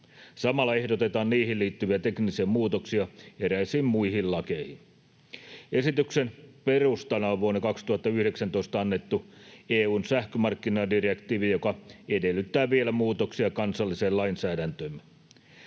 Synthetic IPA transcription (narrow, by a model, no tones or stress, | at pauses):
sɑmɑlːɑe̞hdot̪e̞t̪ɑːnniːhilliːt̪ːyʋiæt̪e̞knisieːmmuːt̪oksiɑeɾæisiːmmuiɦillɑkejhin | e̞sit̪yksenpe̞rust̪ɑnɑoʋʋuonːekɑkst̪uhɑt̪ːɑyhdeksænt̪o̞ist̪ɑɑnːe̞t̪ːueːuːnsæhkømɑrkːinɑdirekt̪iːʋijo̞kɑede̞lːˑyt̪ːæːʋielæmuːt̪oksiɑkɑnsɑlːiseːlɑinsæːdænt̪øːm